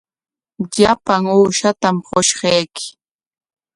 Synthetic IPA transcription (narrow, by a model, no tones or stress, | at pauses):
ʎapaŋuːʃat̪amɢoʃɢɑjkɪ̥